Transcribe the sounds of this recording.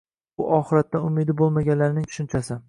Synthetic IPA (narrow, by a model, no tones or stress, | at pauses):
ʊʔɒχɨɾat̪ːaʊmɪd̪ɪbolˠmaɡʲanlaɾɪnɪŋt̪ʰʊ̥ʃɪnt͡ʃʰasɪ